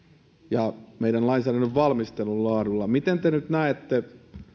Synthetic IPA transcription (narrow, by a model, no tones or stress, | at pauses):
jɑmeiɾænlɑinsæːɾænoʋʋɑlmist̪elːullɑːɾulːɑmit̪ent̪enyt̪næet̪ːe